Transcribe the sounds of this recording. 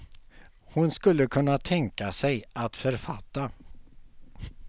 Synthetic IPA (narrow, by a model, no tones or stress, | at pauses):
hʊnskɵlːəkʰɵnːat̪ʰɛŋkasɛjʔat̪fœɾfat̪ːa